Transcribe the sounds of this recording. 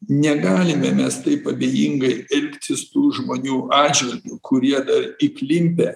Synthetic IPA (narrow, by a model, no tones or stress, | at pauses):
nʲɛɡɑːlʲɪmʲɛmʲɛst̪ɐɪpɐbʲeːjiŋɡɐɪɛlʲkt̪ʲɪst̪uːʒmoːnʲuːʔɑːd͡ʒʲʋʲɪlʲɡʲuːkʰʊɾʲiɛd̪ɐɾiklʲɪmʲpʲɛ